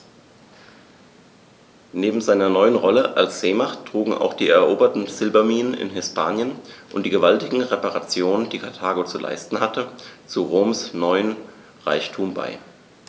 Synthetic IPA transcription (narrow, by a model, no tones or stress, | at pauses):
neːbm̩zaɪnɐnɔʏənʁɔləʔalsz̥eːmaχtʰːʁ̥uːɡŋ̩ʔa̰ʊxd̥iːɛɐʔoːbɐtn̩z̥ɪlbɐmiːnənɪ̰nɦɪspʰaːnjənʔʊntd̥iːɡəvaltɪɡŋ̩ʁepaʁat͡sjoːnənd̥iːkʰatʰaːɡot͡sulʔa̰ɪstn̩hatʰət͡suʁoːmsnɔʏən | ʁaɪçtʰuːmba̰ɪ